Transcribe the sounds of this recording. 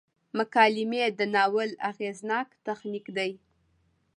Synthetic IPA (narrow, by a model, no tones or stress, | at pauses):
mʊkɑlɪmed̪ənɑwəla̰ɣeznɑkt̪axnikd̪aj